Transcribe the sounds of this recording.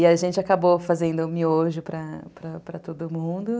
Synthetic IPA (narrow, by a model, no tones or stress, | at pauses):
ɪɐʒẽnt͡ʃɪakabofazẽnd̪ʊmioʒʊpɾɐpɾɐpɾɐt̪od̪ʊmũd̪ʊ